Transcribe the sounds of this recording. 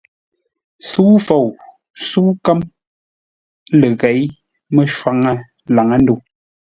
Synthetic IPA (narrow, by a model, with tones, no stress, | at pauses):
su˦fo˨w | su˦kə˦m | lə˨ɣɛ˨˦j | mə˦ʃwa˨ŋə˦ | la˨ŋə˦n˦du˨